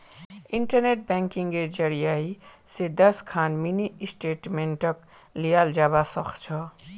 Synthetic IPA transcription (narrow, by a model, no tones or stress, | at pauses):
iɳʈəɾneʈ̚bɛ̃ŋkiŋɡed͡ʒəɾijaised̪əskʰaːnminisʈeʈmeɳʈək | lijaːld͡ʒaːbasəkʰt͡ʃʰɔ